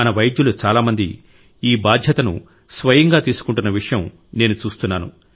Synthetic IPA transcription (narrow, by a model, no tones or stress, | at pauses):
ɐnɐʋɐjd̪julut͡ʃaːlaːmɐnd̪i | iːbaːd̪ʱjɐt̪ɐnṵ | sʋɐjɐŋɡaːt̪iːsu̥kuɳʈunːɐʋiʂɐjɐm | ne̞ːnut͡ʃuːst̪unːaːnu